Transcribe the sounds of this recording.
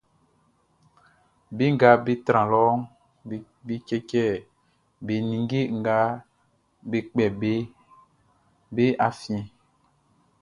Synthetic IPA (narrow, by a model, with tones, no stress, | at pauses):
be˦ŋ̩˦ɡa˦be˦t̪ɾã˨lɔ˦ŋ˨ | be˦kɛ˦kɛ˦˨ | be˨nĩ˨ŋ˦ɡe˦ŋ̩˨ɡa˦ | be˦k͡pɛ˨be˦ | be˦a˨fĩ˨